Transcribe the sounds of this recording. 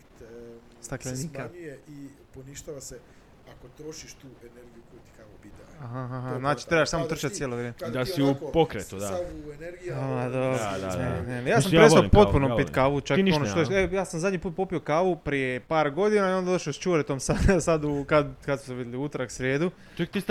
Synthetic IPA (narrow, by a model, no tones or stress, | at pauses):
st̪aklenikaieiponiʃt̪aʋase | akot̪ɾoʃiʃt̪uːeneɾɡijukojut̪i̥kaʋupit̪aaɦaɦaɦaznaːt͡ʃi̥t̪ɾebaʃsamot̪r̩t͡ʃat̪sjeːloʋɾjeːmed̪asiupokɾet̪t̪ud̪aaueneɾɡiad̪od̪a̰nenejaːssamjaesapo̞t̪punompit̪kaːʋut͡ʃaknionoʃt̪oeejaːsamzad̪ɲipuːt̪̚po̞piokaːʋupɾijepaːɾɡo̞d̪inaiond̪d̪oʃast͡ʃuɾet̪omsad̪sad̪ukad̪kad̪smu̥seʋid̪jeliut̪oɾaksɾjeːd̪u | t͡ʃkt̪is